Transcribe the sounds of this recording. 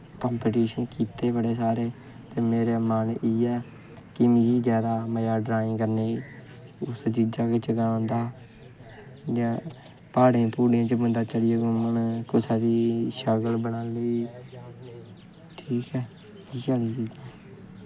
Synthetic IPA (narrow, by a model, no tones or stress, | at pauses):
kəːmpeːʈiːʃənkiːt̪eːbəɽeːsaːɾeː | t̪eːmeːɾeːmaniːɛː | kɪmid͡ʒiːd͡ʒaːd̪aːməjaːɖɾaːĩːkəɾneːi | ʊsd͡ʒiːd͡ʒaːkeːt͡ʃəɡãːnd̪aː | d͡ʒãː | paːɽẽːpuːɽeãːt͡ʃəbənd̪aːt͡ʃəɽɪjaːɡõːmənkʊsaːɾiːʃəɡəlbənaːləiː | ʈʰiːkɛː | iːkɛːliːd͡ʒiːd͡ʒaː